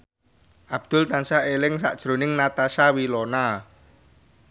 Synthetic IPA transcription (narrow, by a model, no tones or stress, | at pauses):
ʔab̥̚d̪̥ʊlt̪ansaelɪŋsa̰ʔd̥ʒ̥ɾo̤nɪŋnat̪aʃawilɔna